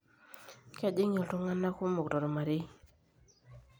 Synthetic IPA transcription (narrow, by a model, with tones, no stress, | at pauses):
kɛ˦dɪ˦ŋe˨lto˦ŋa˦nːa˦ko˦mo˨kɾɔ˨ɾɔ˨ma˨ɾɪ˦